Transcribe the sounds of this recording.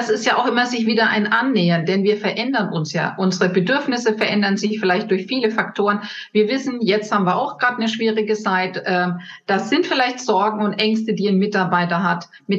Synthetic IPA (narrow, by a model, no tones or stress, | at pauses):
d̥asɪstjaːʔaʊxʔɪmɐzɪçv̥iːdɐʔa̰ɪnʔanːɛːɐndɛnviːɐfɛɐʔɛndɐnʔʊnsja̰ːʔʊnzəʁəbədʏɐfnɪsəfɛɐʔɛndɐnzɪçfɪlaɪçt̚d̥ʊɐçfiːləfaktʰoːʁən | viːɐvɪsn̩jɛt͡sthaːbm̩viːɐʔaʊxɡ̥ʁaːtnəʃv̥iːʁɪɡət͡saɪtʔɛːm | d̥az̥ɪntfɪlaɪçtz̥ɔɐɡŋ̩ʊntʔɛŋstədiːaɪnmɪtaɐbaɪtɐɦat | mɪ